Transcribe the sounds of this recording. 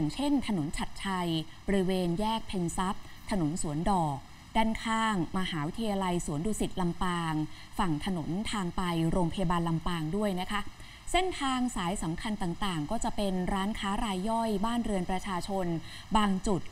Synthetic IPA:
ŋt͡ɕʰe˥˩nt̪ʰa˧no˩˦nt͡ɕʰa˨˩t̪̚t͡ɕʰa˧jbɔ˧ɾi˧weː˧njɛː˥˩k̚pʰe˧nsa˦˥p̚ | t̪ʰa˧no˨˩˦nsu˨˩˦əndɔː˨˩k̚ | daː˥˩nkʰaː˥˩ŋma˧haː˩˦wi˦˥t̪ʰa˧jaː˧la˧jsu˩˦ənduː˧si˨˩t̪̚la˧mpaː˧ŋ | fa˨˩ŋt̪ʰa˧no˩˦nt̪ʰaː˧ŋpa˧jɾoː˧ŋpʰa˧ja˧baː˧nla˧mpaː˧ŋdu˥˩əjna˦˥kʰa˦˥ | se˥˩nt̪ʰaː˧ŋsaː˩˦jsa˩˦mkʰa˧nt̪aː˨˩ŋt̪aː˨˩ŋkɔː˥˩t͡ɕa˨˩pe˧nɾaː˦˥nkʰaː˦˥ɾaː˧jːɔ˥˩jbaː˥˩nɾɯ˧ənpɾa˧t͡ɕʰaː˧t͡ɕʰo˧n | baː˧ŋt͡ɕu˨˩t̪̚

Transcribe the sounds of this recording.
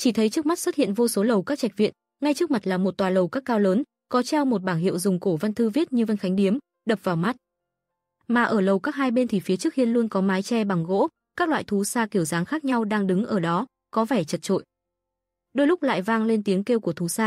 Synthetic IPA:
t͡ɕi˧˩t̪ʰə˨˦jt͡ɕɨ˦ək̚ma˦˥t̚swə˦˥t̚hḭ˧˨ənvo˧so˨˦lə˨˩wkaː˦˥k̚t͡ɕa˨˩k̚vḭ˧˨ən | ŋa˧jt͡ɕɨ˦˥k̚ma˨˩t̚laː˨˩mo˨˩t̚t̪waː˨˩lə˨˩wkaː˦˥kːaː˧wləː˨˦n | kɔ˨˦t͡ɕaː˧wmo˨˩t̚ɓaː˧˩ŋɦḭ˧˨wzʊ˨˩ŋ͡mko˧˩va˧nt̪ʰɨ˧vi˦˥ət̚ɲɨ˧və˧nxa˨˦jŋ̟ɗi˨˦əm | ɗə˨˩p̚vaː˨˩wma˦˥t̚ | maː˨˩ʔəː˧˩lə˨˩wkaː˦˥k̚ɦhaː˧jɓe˧nt̪ʰi˨˩fi˨˦t͡ɕɨ˦˥ək̚hi˧ənlu˧ənkɔ˨˦maː˨˦jt͡ɕɛ˧ɓa˨˩ŋɣo̰˧˥ | kaː˦˥k̚lwa̰ː˧˨jt̪ʰu˨˦saː˧ki˧˩əwzaː˨˦ŋxaː˦˥k̚ɲa˧wɗaː˧ŋɗɨ˨˦ŋʔəː˧˩ɗɔ˨˦ | kɔ˨˦vɛ˧˩t͡ɕə˨˩t̚t͡ɕo̰˧˨j | ɗo˧jlʊ˦˥k͡p̚la̰ː˧˨jvaː˧ŋle˧nt̪i˨˦əŋke˧wku˧˩ət̪ʰu˨˦saː˧

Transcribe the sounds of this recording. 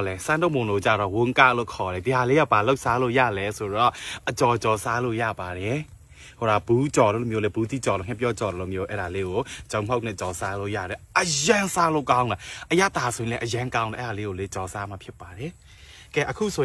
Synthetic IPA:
lɛ˨sã˦ndo˦˨mʊ̃˨ndo˦˨t͡ɕa̰˦˨ɾɔ̰˦˨wʊ̃˦ŋka̰˦lo̰˦˨kʰɔ˨ɾɛ˨di˨ɦa˨le˦ja˦˨ba˨lo˦ʔsa˦lo̰˦˨ja̰˦˨lɛ˦so˨ɾɔ˦˨ʔət͡ɕɔ˨t͡ɕɔ˨sa˦lo̰˦˨ja̰˦˨ba˨ɾɛ˨ | ho˨ɾa˨bu˨˦t͡ɕɔ˨lo̰˦˨lo˨mjo˦lɛ˦bu˦t̪ḭ˦˨t͡ɕɔ˨lo̰˦˨ŋ̥ɛ̃˦p̬jɔ˦t͡ɕɔ˨ɾɔ˦˨lo̰˦˨mjo˦ʔɛ̰ː˦˨ɾa˨le˦ɡo˨˦t͡ɕõ˨m̥o˦k̚nɪ̰̃˦˨t͡ɕɔ˨sa˦lo̰˦˨ja̰˦˨dɛ˨ʔə˨jã˦nsa˦lo˦˨kã˦ʊ̃nda˨ʔəja˦t̪ːa˨sʰo˨ĩ˨lɛ˦ʔəjã˦ŋkã˦ʊ̃nla˨ɛ˦a˨le˦ɡo˨le˦t͡ɕɔ˨sa˦ma˨pʰjɪ˦pːa˨ɾɛ˨ | kɛ˦˨ʔəkʰṵ˦˨sʰo˨

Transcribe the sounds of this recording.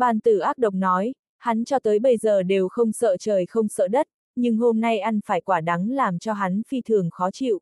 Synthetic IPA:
ɓaː˨˩nt̪ɨ˧˩ʔaː˦˥k̚ɗə˨˩wk͡p̚nɔ˨˦j | ha˨˦nt͡ɕɔ˧t̪əː˨˦jɓə˧jzəː˨˩ɗe˨˩wxə˧wŋ͡msə̰ː˧˨t͡ɕəː˨˩jxə˧wŋ͡msə̰ː˧˨ɗə˦˥t̚ | ɲɨ˧ŋɦo˧mna˧jʔa˧jŋ̟faː˧˩jkwaː˧˩ɗa˨˦ŋlaː˨˩mt͡ɕɔ˧ɦa˨˦nfi˧t̪ʰɨ˨˩əŋxɔ˨˦t͡ɕḭ˧˨wʔ

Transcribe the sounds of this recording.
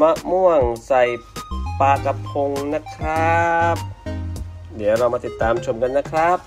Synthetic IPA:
ma˧˥ʔmu˥˩əŋsa˨˩jpaː˧ka˧pʰo˧ŋna˦˥kʰɾa˦˥p̚ | di˩˦wɾa˧wmaː˧t̪i˨˩t̪ːaː˨˧˦mt͡ɕʰo˧mka˧nːa˦˥kʰɾa˦˥p̚

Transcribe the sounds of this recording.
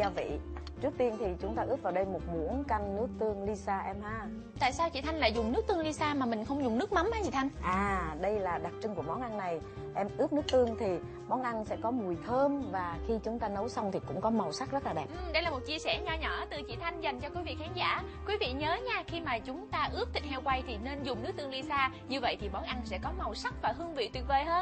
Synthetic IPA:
za˧vḭ˧˨ | t͡ɕɨ˦˥ək̚t̪i˧ənt̪ʰi˨˩t͡ɕʊ˨˦ŋ͡mt̪aː˧ʔɨ˦˥k̚vaː˨˩wɗə˧jmo˨˩t̚mu˧˩˥ənka˧ŋːɨ˦˥ək̚t̪ɨ˧əŋli˧saː˧ʔɛ˧mhaː˧˩ | t̪a̰ː˧˨jsaː˧wt͡ɕḭ˧˨t̪ʰa˧jŋ̟la̰ː˧˨jzʊ˨˩ŋ͡mnɨ˦˥k̚t̪ɨ˧əŋli˧saː˧maː˨˩mï˨˩ŋ̟xə˧wŋ͡mzʊ˨˩ŋ͡mnɨ˦˥ək̚ma˨˦mʔa˨˦t͡ɕi˧˩t̪ʰa˧jŋ̟ʔaː˨˩ɗə˧jlaː˨˩ɗa˨˩t̚t͡ɕɨ˧ŋku˧˩əmɔ˨˦nʔa˧nːa˨˩j | ʔɛ˧mʔɨ˦˥ək̚nɨ˦˥ək̚t̪ɨ˧əŋt̪ʰi˨˩ | mɔ˨˦nʔa˧nsɛ̰˧˥kɔ˨˦mu˨˩əjt̪ʰəː˧mvaː˨˩xi˧t͡ɕʊ˨˦ŋ͡mt̪aː˧nə˨˦wsa˧wŋ͡mt̪ʰi˨˩kʊ̰˧˥ŋ͡mkɔ˨˦ma˨˩wsa˦˥k̚zə˦˥t̚laː˨˩ɗɛː˨˩ʔ̚ɨ˧˨˩ɗə˧jlaː˨˩mo˨˩t̚t͡ɕi˧əsɛ˧˩ɲɔ˧˩ɲəː˧˩t̪ɨ˨˩t͡ɕḭ˧˩˨t̪ʰa˧jŋ̟za˨˩jŋ̟t͡ɕɔ˧kwi˨˦vḭ˧˨kxaː˨˦ŋza̰ː˧˩ | kwi˨˦vḭ˧˨ɲəː˨˦ɲaː˧xi˧maː˨˩t͡ɕʊ˨˦ŋ͡mt̪aː˧ʔɨ˦˥əp̚t̪ʰï˨˩k̟̚hɛ˧wkwa˧jt̪ʰi˨˩ne˧nzʊ˨˩ŋ͡mnɨ˦˥k̚t̪ɨ˧əŋli˧saː˧ | ɲɨ˧və̰˧˨jt̪ʰi˨˩ɓɔ˨˦nʔa˧nsɛ̰˧˥kɔ˨˦ma˨˩wsa˦˥k̚vaː˨˩ɦɨ˧əŋvḭ˧˨t̪wi˨˩t̚veː˨˩jɦəː˧n

